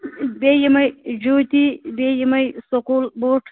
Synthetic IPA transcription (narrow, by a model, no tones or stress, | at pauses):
bejimajd͡ʒot̪ibejimajsoqulboʈʰ